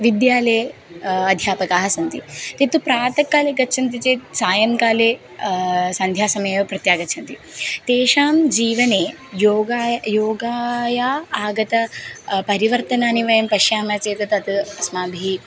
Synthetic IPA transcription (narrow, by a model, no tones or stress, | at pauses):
ʋid̪jaːleː | ɐd̪ʱjaːpɐkaːɦɐsɐnt̪it̪et̪upɾaːt̪ɐkːaːleːɡɐtːʃʰɐnt̪̬it͡seːsaːjɐŋkaːleː | sɐnd̪ʱjaːsɐmɐjʋɐpɾɐt̪jaːɡɐt̪ːt͡ʃʰɐnt̪it̪eːʃaːmd͡ʒiːʋɐneː | joːɡajoːɡaːjaːaːɡɐt̪ɐpɐɾiʋɐɾt̪ɐnaːniʋɐjɐmpɐʃjaːmɐt͡ʃeːt̪ɐt̪ɐt̪ɨɐsmaːbʱiː